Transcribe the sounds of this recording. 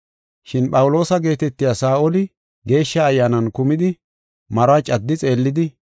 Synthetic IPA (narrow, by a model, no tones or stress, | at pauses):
ʃɪnpɐwʊlo̞ːsɐɡe̞ːt̪ɛt̪ːɪjasaːʔɔlɪ | ɡe̞ːʃːɐːjːaːnɐnkʊmɪd̪ɪ | mɐɾat͡ʃʼɐd̪ːɪt͡sʼe̞ːlːɪd̪ɪ